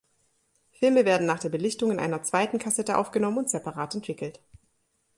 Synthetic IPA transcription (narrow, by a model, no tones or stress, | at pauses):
fɪlməveːɐdn̩naːχd̥eːɐbəlɪçtʊŋɪnʔa̰ɪnɐt͡sv̥aɪtn̩kʰasɛtəʔa̰ʊfɡ̥ənɔmənʊntz̥ɛpaʁaːtɛntv̥ɪkl̩t